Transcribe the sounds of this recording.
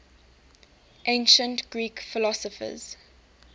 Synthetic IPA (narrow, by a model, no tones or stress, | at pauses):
ʔẽɪnʃə̃ntɡ̥ɹiːkfɪlɔsɔfə̰z̥